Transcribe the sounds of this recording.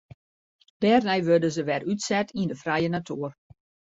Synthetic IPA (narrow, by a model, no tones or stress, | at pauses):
d̥ɛːrnɛjʋødəzəʋɛɾytsɛtindəfrɛjənatʰuər